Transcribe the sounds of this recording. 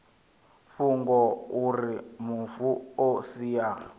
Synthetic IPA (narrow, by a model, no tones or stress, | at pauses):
ɸuŋɡɔuɾimufuosija